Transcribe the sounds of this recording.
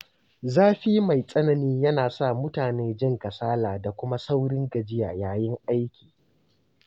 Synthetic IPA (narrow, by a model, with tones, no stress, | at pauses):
zaː˦ɸiː˦ma˨jsʼɐ˦nɐ˨niː˦jɐ˦naː˨sa˦˨mʊ˦taː˨neː˦d͡ʒɪ˦˨ŋkɐ˨saː˦laː˨da˨kʷʊ˦ma˦sa˦wɽɪ˦ŋɡɐ˨d͡ʒɪ˦jaː˨jaː˦jɪ˦ŋʔa˦jkʲʰiː˨